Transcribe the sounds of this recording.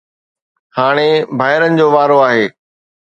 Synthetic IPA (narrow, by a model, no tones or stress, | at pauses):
haːɽ̃ebʱaːɦɪɾənɪ̆d͡ʑoːʋaːɾoaːɦeː